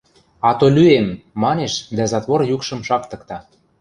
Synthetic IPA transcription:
ɑt̪olʲyemːɑneʃd̪æzɑt̪βorjukʃɤ̆mʃɑkt̪ə̆kt̪ɑ

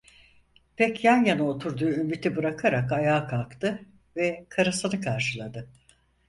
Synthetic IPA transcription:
pʰɛcjanjanɯo̞t̪ʰuɾd̪uːymit̪ʰibɯɾakʰaɾakajaːkʰalˠkt̪ʰɯ | vɛkʰaɾɯsɯnɯkʰaɾʃɯlˠad̪ɯ

